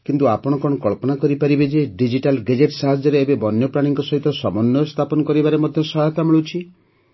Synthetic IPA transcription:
kint̪uapɔɽ̃ɔkɔɽ̃ɔkɔɭpɔnakɔɾipaɾibed͡ʒeɖid͡ʒiʈalɡed͡ʒeʈsaɦad͡ʒɔɾeːbebɔnːjɔpɾaɽ̃iŋkɔsɔɦit̪ɔsɔmɔnːɔst̪ʰapɔnɔkɔɾibaɾemɔd̪ʱjɔsɔɦt̪amiɭut͡ʃʰi

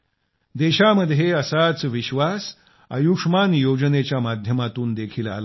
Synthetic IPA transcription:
d̪eɕaməd̪ʱjeəsat͡sʋiɕʋas | ə̰jukʂmanjod͡znet͡ɕjamad̪ʱjəmat̪uːnd̪ekʰiːla̰la

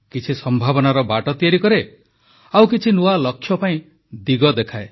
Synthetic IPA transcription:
kit͡ʃʰisɔmbʱabɔnaɾɔbaʈɔt̪iaɾikɔɾe | awkit͡ʃʰinuwalɔkʰːjɔpaĩ | d̪iɡɔd̪ekʰae

